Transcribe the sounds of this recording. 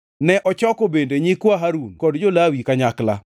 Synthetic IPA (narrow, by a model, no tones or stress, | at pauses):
nɛʔɔt͡ʃɔkobendeɲikwaɦaɾunkɔdd͡ʒolawikaɲakla̰